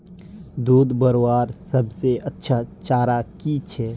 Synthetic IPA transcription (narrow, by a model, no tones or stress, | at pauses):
d̪uːd̪bəɾoːaːɾsɐbseʔɐtːʃʰat͡ʃaːɾakit͡ʃʰɛː